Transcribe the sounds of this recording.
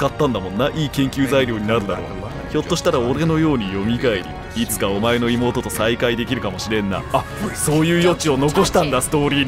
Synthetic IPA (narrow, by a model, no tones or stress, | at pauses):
kat̪ːãnd̪amõ̞nːaʔiːkẽ̞ŋkʲɨːzaiɾʲo̞ːɲ̟inaɾɯ̟d̪aɾo̞̰ː | ço̞t̪ːo̞ɕi̥t̪aɾao̞ɾe̞no̞jo̞ːɲ̟ijo̞mʲikaiɾʲḭː | t͡sɨ̥kao̞mae̞no̞imo̞ːt̪o̞t̪o̞saikaid̪e̞kʲiɾɯ̟kamo̞ɕiɾẽ̞nːa̰ː | so̞ːjɯ̟ːjo̞t͡ɕio̞no̞ko̞ɕi̥t̪ãŋɡ̪asɨ̥t̪o̞ːɾʲiː